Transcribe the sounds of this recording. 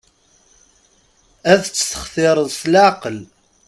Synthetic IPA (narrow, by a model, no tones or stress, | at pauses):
æθt͡sːθə̥χθɪɾˤəðˤslaʕqəl